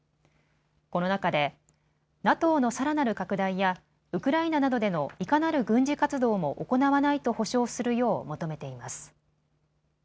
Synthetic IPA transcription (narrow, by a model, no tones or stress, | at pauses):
ko̞no̞nakad̪e̞ | nat̪o̞ːno̞saɾanaɾɯ̟kakɯ̟d̪aija | ɯ̟kɯ̟ɾainanad̪o̞d̪e̞no̞ikanaɾɯ̟ɡɯ̟̃ɲ̟d͡ʑikat͡sɨd̪o̞ːmo̞ʔoko̞naβanait̪o̞ho̞ɕo̞ːsɨɾɯ̟jo̞ːmo̞t̪o̞me̞t̪e̞imasɨ̥